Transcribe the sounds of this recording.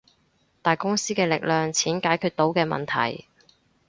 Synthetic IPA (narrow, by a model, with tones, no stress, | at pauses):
t̪aː˨jkʊ˥ŋsiː˥kɛː˧lɪ˨k̚lœː˨ŋt͡sʰiː˨˥nkaː˨˥jkʰyː˧t̪̚o˨˥wkɛː˧mɐ̰˨nt̪ʰɐ̰˨˩j